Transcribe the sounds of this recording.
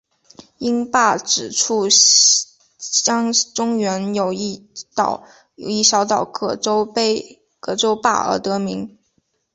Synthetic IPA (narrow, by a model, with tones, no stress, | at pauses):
i˥npa˥˩ʈ͡ʂɻ̩˨˩ʈ͡ʂʰu˥˩ | t͡ɕjɑ˥ŋʈ͡ʂʊ˥ŋɥɛ˧˥njo˨˩ʊ˥˩˨ | jo˨˩i˥˩ɕjɑ˧˥ʊt̪ɑ˨˩ʊkɤ˥˩ʈ͡ʂo˥ʊpe˥ɪ | kɤ˥˩ʈ͡ʂo˥ʊpa̰˥˩ə̰˞˧˥t̪ɤ˧˥mi˧˥ŋ